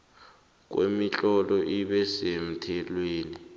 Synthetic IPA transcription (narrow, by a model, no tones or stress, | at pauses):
k̬wḛmit͡ɬʼɔlɔʔiɓɛsem̩tʰɛlweːni